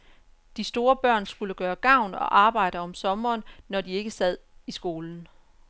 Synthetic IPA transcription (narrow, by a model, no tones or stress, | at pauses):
d̥isd̥o̝ːɐb̥ɶɐ̰nsɡ̥uləɡ̥ɶːɐɡ̥ɑ̈ʊ̰nɒ̽ʔɑ̈ːb̥ɑ̈ɪ̰ɾəɒ̽msɒ̽mɐːnːɒdie̝ɡ̥əsɛð̰ˠisɡ̥o̝ːln̩